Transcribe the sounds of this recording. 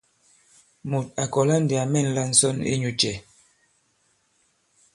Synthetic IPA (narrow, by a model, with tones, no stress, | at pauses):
mu˨t̚a˨kɔ˨la˦n̩˨di˨a˨mɛ˦˨n̩˨la˦n̩˨sɔ˦nḛ˦ɲu˨t͡ʃɛ˨